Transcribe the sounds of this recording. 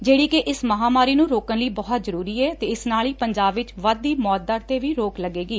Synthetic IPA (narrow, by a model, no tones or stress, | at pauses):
d͡ʒeːɽiːkeʔɪsməɦaːmaːɾiːnũːɾoːkənləiːbɔːt̪zəɾuːɾiːɛːt̪eːɪsnaːliːpəɲd͡ʒaːbʋɪt͡ʃʋəd̪̚ːiːmɔːt̪̚d̪aɾt̪eːʋiːɾoːkləɡeːɡiː